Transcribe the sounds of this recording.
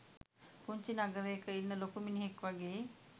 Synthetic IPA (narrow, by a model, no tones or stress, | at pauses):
puɲt͡ʃinaɡəɾejəkəinːəlokuminiɦekʋaɡeː